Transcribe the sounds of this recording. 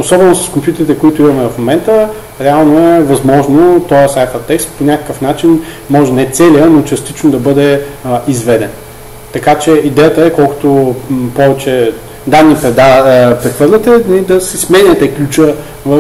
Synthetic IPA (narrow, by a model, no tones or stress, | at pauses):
osɔbɛnosɐ̥skompjut̪ɛɾit̪ɛkoit̪ʊimɐmɛvɐfmomɛnt̪ə | ɾɛalˠnoɛvɐzmɔʒnot̪ɔjəsajfət̪ɛkst̪̚ponʲakə̥kəfnat͡ʃinmɔʒɛnɛt̪sɛlijənot͡ʃɐst̪it͡ʃnod̪ɐbɤd̪ɛizvɛd̪ɛn | t̪ɐkat͡ʃɛid̪ɛjət̪əɛkɔlˠkʊ̥t̪opɔvɛt͡ʃɛ | d̪anːipɾɛd̪apɾɛxvɤɾlʲɐt̪ɛnɐid̪ɐsɛsmɛnʲət̪ɛklʲut͡ʃə | vɐ